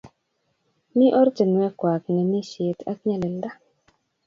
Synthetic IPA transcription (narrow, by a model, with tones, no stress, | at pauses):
mi˦ʔɔ˦ɾd͡ʒə˨nwɛ˦kwa˨k̚ŋə˨ni˦ʃje˨t̪ʰa̰˦k̚ɲa˨le˨lda˦